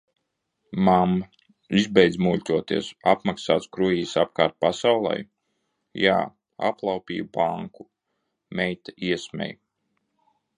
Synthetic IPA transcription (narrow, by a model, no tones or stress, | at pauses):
mamː | izbɛjd̪zmulʲt̪ʲuɔt̪ḭɛsapmaksaːt̪skɾuiːsap̚kaːɾt̪̚pasawlˠa̰j | ja̰ː | a̰plˠɑwpʲḭːjbaŋku | mʲɛjt̪aiɛsmʲɛ̰j